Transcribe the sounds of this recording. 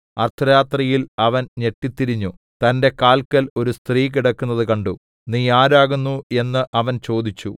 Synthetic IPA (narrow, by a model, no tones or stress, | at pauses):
ɐrt̪ʰɐjaːt̪rɐjilɐʋɐnɲe̞ʈːit̪ːiɾiɲːu | t̪ɐnde̞kaːlkɐlo̞ɾust̪riːk̬iɽɐkːunːɐðɨkɐɳɖu | niːjaːɾaːɣunːue̞nːɨʔɐʋɐnt͡ɕo̞ːd̪it͡ɕːṵ